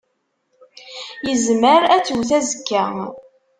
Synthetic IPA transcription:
jəzməɾæt͡sːuwθæzəkːæ

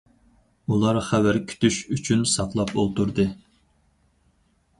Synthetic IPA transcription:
ulˠɑɾχæwæɾkʲʰy̥t̪yʃyt͡ʃʰynsɑqlˠɑpolˠt̪uɾd̪ɨ

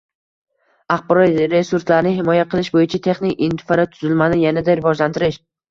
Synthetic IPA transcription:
aχbɾɒjɾe̞suɾslaɾɪnɪɦɪmɒjaqʰɨlˠɪʃbojɪt͡ʃʰat̪ʰe̞χnɪkʲɪnt̪ʰɪ̥faɾat̪ʰʊzɪlmanɪjanad̪aɾɪvɒd͡ʒlant̪ʰɪɾɪʃ

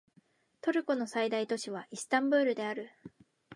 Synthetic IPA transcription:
t̪o̞ɾɯ̟kono̞said̪ait̪o̞ɕiβ̞aʔisɨ̥t̪ãmbɯːɾɯ̟d̪e̞aɾɯ̟

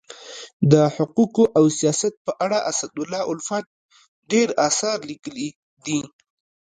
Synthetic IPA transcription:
d̪əħʊquqoʔawsijɑsat̪̚pəʔaɽaʔasad̪ʊlːɑʔʊlfat̪̚ | ɖeɾɑsɑɾlikəli | d̪i

